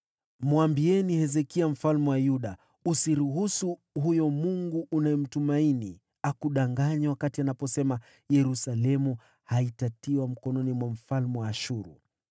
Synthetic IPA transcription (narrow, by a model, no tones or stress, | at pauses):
muambiɛnihɛzɛkiam̩falmɛwajuɗa | usiɾuɦusu | hujɔmuŋɡuʔːnaɛm̩tumaini | akuɗaŋɡaɲawakatianapɔsɛma | jɛɾusalɛmu | haitatiwam̩kɔnɔnimwam̩falmɛwaːʃuɾu